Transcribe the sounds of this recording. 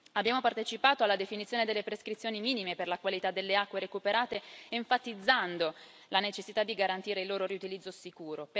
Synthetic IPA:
abjaːmopart̪et͡ʃipaːt̪oalːad̪efinit̪sjoːned̪elːepɾeskɾit̪sːjoːnimiːnimeperlakwalit̪ad̪ːelːeakːweɾekupeɾaːt̪eeɱfat̪id̪zːand̪o | lanet͡ʃesːit̪ad̪ːiɡaɾant̪iːɾeilːoːɾoɾiut̪ilid̪zːosikuːɾop

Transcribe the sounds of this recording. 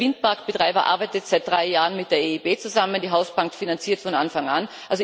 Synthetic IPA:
vɪnt̚paɐkb̥ətʁ̥aɪbɐʔa̰ɐbaɪtətz̥aɪt̚d̥ʁaɪjaːʁənmɪt̚d̥eːɐeibeːt͡suzaməndiːɦaʊsb̥aŋk̚tfinant͡siːɐtfɔna̰nfaŋanʔalzo

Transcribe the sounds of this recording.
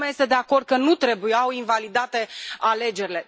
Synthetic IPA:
meajest̪ed̪e̞ako̞rd̪̚kənut̪ɾe̞bujawinvalid̪at̪e̞ale̞d͡ʒe̞ɾile̞

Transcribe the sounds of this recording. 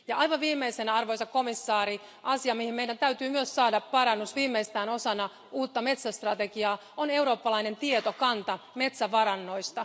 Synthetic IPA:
jɑʔɑjʋɑʋʋiːmːˑeisenæɑrʋo̞jsɑko̞misːɑːɾi | ʔɑsiɑmihime̞jdænt̪æyt̪yːmyøssɑːdɑppɑɾɑnːusʋiːmːeist̪æːno̞sɑnɑ | uːt̪ːɑme̞t̪sæst̪rɑt̪eɡiɑː | one̞wɾo̞ːpːɑlɑine̞nt̪iet̪okɑnt̪ɑme̞t̪sæʋɑɾɑnːo̞jst̪ɑ

